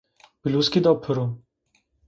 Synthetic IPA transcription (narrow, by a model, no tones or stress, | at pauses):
biluskid̪ɔpʰəɾo